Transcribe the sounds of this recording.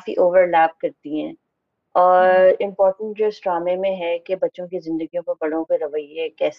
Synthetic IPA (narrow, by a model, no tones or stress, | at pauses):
aːfḭʔoːʋəɾlæːp̚kɐɾt̪iɦɛ̃ː | ɔːɾɪ̃mpɔːɾʈə̃ɳʈ̚d͡ʒoɦɛsʈɾaːmẽmẽɦɛkebɐtːʃõkizɪ̃nd̪əɡijõpɐɾbɐɽõkeɾɐʋəjekɛːs